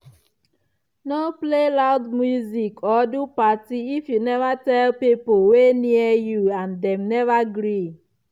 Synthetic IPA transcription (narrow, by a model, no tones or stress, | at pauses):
noplelaʊdmjuzikʰɔdupatiifjunɛvatɛlpipolweniəjuãndɛ̃mnɛvaɡɾi